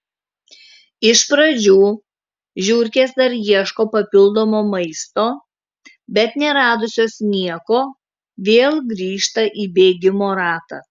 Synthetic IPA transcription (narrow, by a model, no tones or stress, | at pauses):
ɪʃpɾɐd͡ʒʲuː | ʒʲuːɾʲkʲeːsd̪ɐɾjiɛʃkoːpɐpʲɪlˠd̪oːmoːmɐɪst̪oː | bʲɛt̪nʲɛɾɑːd̪ʊsʲoːsnʲiɛkoː | ʋʲeːlˠɡɾʲiːʃt̪ɐʔiːbʲeːɡʲɪmoːɾɑːt̪ɐ̰ː